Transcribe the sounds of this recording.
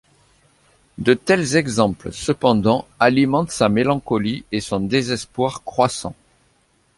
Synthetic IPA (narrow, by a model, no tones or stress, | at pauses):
d̪ət̪ɛlzɛɡzɑ̃plsəpɑ̃d̪ɑ̃alimɑ̃t̪samelɑ̃kɔliesɔ̃d̪ezɛspwaʁkχwasɑ̰̃